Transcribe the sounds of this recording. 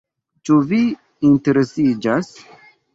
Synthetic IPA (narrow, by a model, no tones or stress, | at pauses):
t͡ʃuvi | inte̞ɾe̞sid͡ʒas